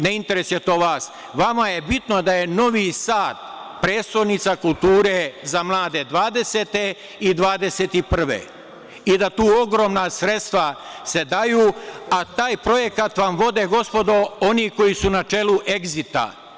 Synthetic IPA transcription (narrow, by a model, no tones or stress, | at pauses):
neint̪e̞ɾe̞sjet̪o̞ːʋaːs | ʋamaje̞bit̪no̞d̪aje̞no̞ʋisaːt̪̚pɾeːst̪ojnit̪sakult̪uːɾezamlˠaːd̪e̞d̪ʋaːd̪e̞set̪e̞ | id̪ʋaːd̪e̞set̪ipr̩ʋḛ | id̪at̪uːo̞ɡɾo̞ːmnasɾe̞t̪st̪ʋase̞d̪ajuːat̪aːjpɾo̞je̞kat̪ʋamʋo̞d̪e̞ɡo̞spo̞d̪o̞o̞niːko̞jisunat͡ʃe̞ːluʔe̞ɡzit̪a̰